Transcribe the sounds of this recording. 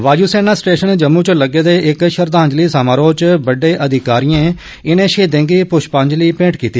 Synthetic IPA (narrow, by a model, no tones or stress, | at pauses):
ʋaːd͡ʒuːseːnaːsʈeːʃənd͡ʒəmːuːt͡ʃləɡeːd̪eːʔɪkʃəɾd̪ãːɲd͡ʒliːsaːmãːɾoːt͡ʃbəɖeːʔəd̪ʱɪkaːɾijẽː | ɪnẽːʃʰeːd̪ẽːŋɡiːpʊʃpə̃ːɲd͡ʒliːpẽːʈkiːt̪iː